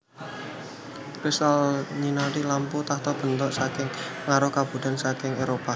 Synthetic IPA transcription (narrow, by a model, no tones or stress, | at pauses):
kɾisalɲinaɾilamput̪aht̪ɔb̥ə̤nt̪ɔʔsakɪŋŋaɾɔhkab̥ṳd̥̪a̤nsakɪŋeɾopa